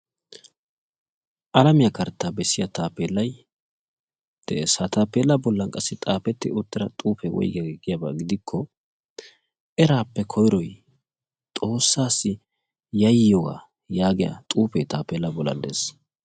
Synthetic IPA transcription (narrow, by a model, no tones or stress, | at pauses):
ʔɐlɐmɪjɐkɐɾt̪ːaːbɛsːɪjɐt̪aːpeːlːɐj | d̪̥ɛʔesat̪aːpːeːlːɐbɔlːɐŋkʼɐsːɪt̪ʼaːpɛt̪ːɪʊt̪ːɪɾɐt̪ʼuːpɛwɔ̰jɡɐɡɡɪjɐba̰ɡɪd̪ɪkʰːɔ | ʔɛɾaːpːɛkʰɔjɾɔj | t̪ʼo̞ːsːaːsːɪ | jɐjːɔɡa̰ | jaːɡɪjɐ̰t̪ʼuːpɛt̪aːpːeːlːɐbɔlːɐ̰nd̪ḛːs